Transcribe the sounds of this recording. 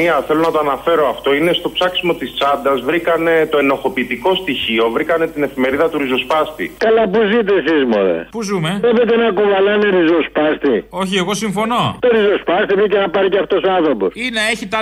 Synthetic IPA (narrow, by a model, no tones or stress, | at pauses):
iɐθe̞lonɐt̪oɐnɐfe̞ɾo̞ɐft̪o̞ine̞st̪o̞psɐksimo̞t̪ist͡sɐd̪ɐzvɾikɐne̞t̪o̞e̞no̞xo̞piːt̪iko̞st̪içio̞vɾikɐne̞t̪ine̞fime̞ɾiðɐt̪uɾizo̞spɐst̪ḭkɐlɐpuzit̪̬esizmo̰ðḛpuzumeebet̪̬enɐkuvɐlɐneɾizo̞spɐst̪ioçieɣo̞siɱfo̞no̞t̪oɾizo̞spɐst̪ivɾicenɐpɐɾiceɐft̪o̞soɐnθɾoposineeçit̪